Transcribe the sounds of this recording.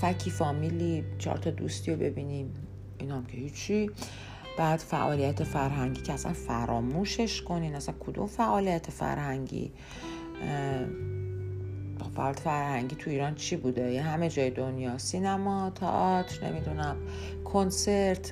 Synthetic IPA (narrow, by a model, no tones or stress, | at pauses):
fæcʰifɒːmilit͡ʃʰɒ̰ɾt̪ʰɒd̪ṵst̪iobe̞̰biːniːm | iːnɒmcʰe̞hit͡ʃʰːi | b̥æːd̪̥fæ̰ʔɒːlijæt̪ʰefæɾɦæŋɟiːcʰeæsæ̰nfæɾɒːmuːʃe̞ʃkʰo̞niːnæsænkʰod̪ṵmfæʔɒːlijæt̪ʰefæ̰ɾhæŋɟḭ | ofæ̰ʔːljæt̪efæɾhæŋɟiːt̪ʰuiːɾɒnt͡ʃʰibuːd̪ejehæme̞d͡ʒɒːjed̪onjɒːsinæmɒt̪ʰɒ̰ʔɒt̪ʰɾnḛmid̪unæm | kʰonse̞ɾt̪ʰ